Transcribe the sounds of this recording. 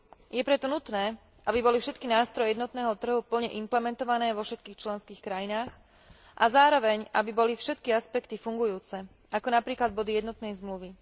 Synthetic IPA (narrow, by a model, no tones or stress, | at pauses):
jɛpɾɛt̪ɔnut̪nɛː | ʔabibɔlifʃɛt̪kinaːst̪ɾɔjɛjɛd̪nɔt̪nɛːɦɔt̪r̩ɦupl̩ɲɛʔimplɛmɛnt̪ɔʋanɛːʋɔfʃɛt̪̚kiːxt͡ʃlɛnskiːxkɾajinaːx | ʔazaːɾɔʋɛɲʔabibɔlifʃɛt̪kiaspɛkt̪ifuŋɡujuːt͡sɛ | ʔakɔnapɾiːklad̪̚bɔd̪ijɛd̪nɔt̪nɛjzmluʋi